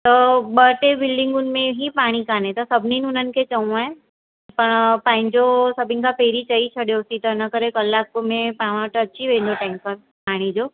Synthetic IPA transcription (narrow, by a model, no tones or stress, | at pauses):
t̪ɐɓəʈebɪlɖɪ̃ŋɡʊn̆mẽɦipaːɽ̃ikaːnẽt̪ɐsɐbʱninʊn̤ənɪ̆kʰet͡ɕɐũaːɦẽ | pɐɽ̃pãːɦɪ̃ɲd͡ʑosɐbʱɪ̃nɪkʰãpeːɾit͡ɕɐit͡ɕʰɐɽjosit̪ɐɪnəkəɾekɐlːakmẽpaːʋãʈɐtːɕʰiʋẽːnd̪oʈãɪ̃ŋpəɾ | paːɽ̃id͡ʑoː